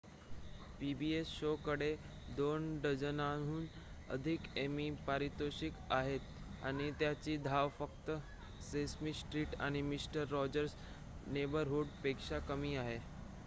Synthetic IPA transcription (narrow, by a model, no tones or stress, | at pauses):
pibiesɕokəɽe | d̪onɖəd͡ʑənaɦuːn | ə̰d̪ʱikemiːpaɾit̪oɕikaɦet̪̚ | a̰ɽ̃it̪jat͡ɕiːd̪ʱaʋfəkt̪ə | sesmisʈɾiːʈa̰ɽ̃imisʈəɾːɔd͡ʑəɾs | nebəɾɦuɽpekʂakəmiːaɦe